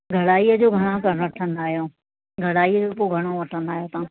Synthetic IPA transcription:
ɡʱɐɽaːijəd͡ʑoːɡʱɐɽ̃õkɐɾɽɐʈʰə̃nd̪aːɦijoː | ɡʱɐɽaːijəd͡ʑoːpoɡʱɐɽ̃oʋɐʈʰə̃nd̪aːɦjoːt̪ãː

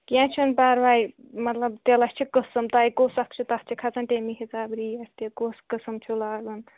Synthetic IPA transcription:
kjãt͡ʃʰunpaɾʋaj | mɐt̪lɐb̚t̪elɐst͡ʃʰikəsɐmt̪ajkosɐkʰt͡ʃʰut̪ɐst͡ʃʰikʰat͡sɐnʈ̪emiɦʲit͡saːbɾiɐst̪ekoskəsɐmt͡ʃʰulaːɡɐn

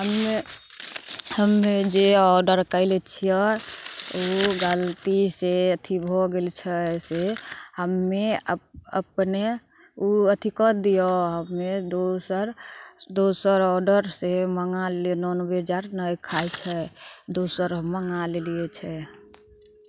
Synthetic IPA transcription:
ɦəmːe | həmːed͡ʒeɔɾɖəɾkəɪlet͡ʃʰijə | uɡalt̪iseət̪ʰibʱoɡelt͡ʃʰɛsehəmːeəə̰pne | uət̪ʰikɔd̪ijɔɦəmːed̪osəɾd̪osəɾɔɾɖəɾseməŋalnɔnəbeəd͡ʒaɾnəjkʰajt͡ʃʰɛd̪osəɾməŋaleliet͡ʃʰɛ

